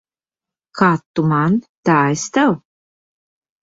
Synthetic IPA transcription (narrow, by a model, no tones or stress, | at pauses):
kat̪ːumant̪aest̪aw